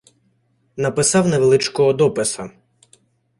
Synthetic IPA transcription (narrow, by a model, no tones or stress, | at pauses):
nɐpɪsɑwnɛʋelˠɪt͡ʃkɔɦɔd̪ɔpɪsɐ